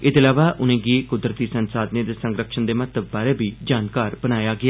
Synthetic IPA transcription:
ɪd̪laːʋaːʔʊnẽːɡiːkʊd̪ɾət̪iːsənsaːd̪nẽːd̪eːsə̃ŋɡɾəkʃənd̪eːmət̪əbːaːɾeːbiːd͡ʒaːnkaːɾbənaːjaːɡɪa

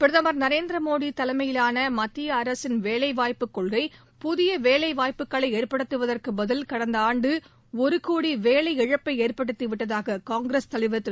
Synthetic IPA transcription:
pɪɾɯðɐmɐɾnɐɾeːnd̪ɾɐmoːɽit̪ɐlɐmɐjɪlaːnɐmɐt̪ːɪjɐɐɾɐsɪnʋeːlɐɪʋaːjpːɯkːɔɭɣɐɪ | pʊðɪjɐʋeːlɐɪʋaːjpːɯkːɐɭɐɪeːrpɐɽɯt̪ːɯʋɐðɐrkɯbɐðɐlkɐɽɐnd̪ɐaːɳɖɯ | ɔɾɯkuːɽiʋeːlɐɪɛɻɐpːɐɪeːrpɐɽɯt̪ːiʋɪʈːɐðaːɣɐkaːŋɡɾɐst̪ɐlɪʋɐt̪ːɪ

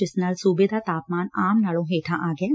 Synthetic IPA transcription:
ɪsnɐlsuːbɪd̪ʱat̪aːpmaːnaːmnɐɭõɦeːʈʰãʔaːɡɐe

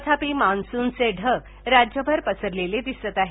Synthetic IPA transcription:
t̪ʰapimansuːnt͡seɖʱə | ɾad͡ʑjəbʱəɾpəsəɾleled̪isət̪aɦe

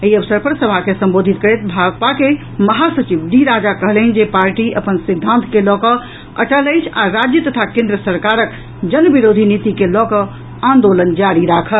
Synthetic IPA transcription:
iəbsəɾpəɾsəbʱakesə̃mbod̪ʱit̪̚kəɾet̪bʱaɡp̪ake | məɦasət͡ʃibɖiɾad͡ʒakəɦlnd͡ʒepaɾʈiʔəpənsid̪ʱːãnt̪ʰkelɔkə | ə̰ʈələjt͡ʃʰa̰ɾad͡ʒjət̪ət̪ʰakẽnd̪ɾəsəɾkaɾək | d͡ʒənbiɾod̪ʱinit̪ikelɔkə | ãnd̪olənd͡ʒaɾiɾakʰəl

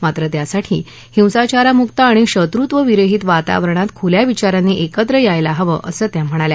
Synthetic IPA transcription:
mat̪ɾət̪jasaʈʰḭː | hĩw̃sat͡ɕaɾamukt̪aːɽ̃iɕət̪ɾut̪ʋəʋiɾəɦiːt̪ʋat̪a̰ʋəɾəɳat̪kʰuljaʋit͡ɕaɾanːiʔekət̪ɾəjajlaɦəʋə̰ʔəsəːt̪jam̤əɽ̃alja

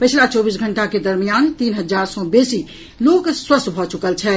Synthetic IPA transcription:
pət͡ʃʰlat͡ʃɔbis̬ɡʱəɳʈaked̪əɾmijant̪iːnɦəd͡ʒaɾsɔ̃besi | lokswəst̪bʱɔt͡ʃukəlt͡ʃʰɛ

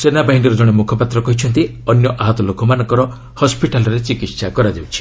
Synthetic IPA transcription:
senabaɦiɳɖiɾɔd͡ʒɔɽ̃emukʰɔpat̪ɾɔkɔɦit͡ʃʰɔnt̪i | ɔnjɔʔaɦɔt̪ɔlokʰɔmanɔ̃ŋkɔɾɔ | hɔspiʈalɔɾet͡ʃikit̪sakɔɾad͡ʒewt͡ʃʰi̥

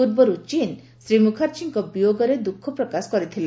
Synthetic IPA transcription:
uɾbɔɾut͡ʃin | sɾimukʰaɾt͡ʃiŋkɔbijoɡɔɾed̪ukʰːɔpɾɔkasɔ̥kɔɾit̪ʰil

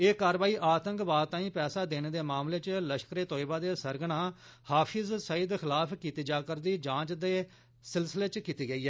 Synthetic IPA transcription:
eːkaːɾʋaːiːʔaːt̪ə̃ŋkbaːd̪t̪ãːĩːpɛːsaːd̪eːneːd̪eːmaːmleːt͡ʃləʃkɾeːt̪oːɪbaːd̪eːsəɾɡɽ̃aː | haːpʰɪzsəid̪xɪlaːpʰkiːt̪iːd͡ʒaːkəɾd̪iːd͡ʒãːt͡ʃd̪eː | sɪlsɪleːt͡ʃkiːt̪iːɡəiːɦɛː

